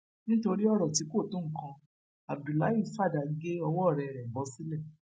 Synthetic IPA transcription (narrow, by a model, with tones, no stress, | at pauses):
nĩ˦to˧ɾi˦ɔ˦ɾɔ˦˨ti˨˦ko˦˨tũ˦ŋ̩˦˨kã˧ | a˨b̚du˨la˨˦ji˦˨fa˦˨da˨ɡe˦ɔ˧wɔ˦˨ɾɛ˧˨ɾɛ˨bɔ˨˦si˦lɛ˦˨